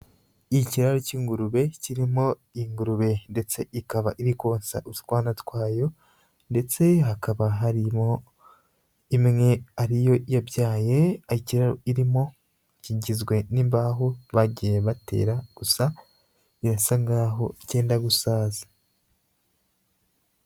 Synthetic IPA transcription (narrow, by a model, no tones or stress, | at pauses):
iciɾaɾociːŋɡuɾuβe̞ciɾimo̞ | iŋɡuɾuβe̞nde̞t͡se̞ʔikaβaʔiɾikwo̞ːnsa̰ʔu̥twaːnatkwaːjo̞ | nde̞t͡se̞ɦakaβaɦaɾimo̞ | imŋe̞aɾijo̞jabjaːje̞aiciɾaɾo̰iɾimo̞ | ciɟizɡwe̞nimbaɦoβaɟijeβate̞̰ːɾaɡ̥usa | iɾasaŋɡaːɦo̞̰ce̞ːndaɡusaːza